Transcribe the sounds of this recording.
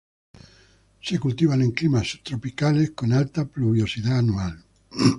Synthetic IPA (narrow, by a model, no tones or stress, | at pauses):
sekult̪iβanẽŋklimast̪ɾopikaleskonalt̪apluβ̞josiðaːnual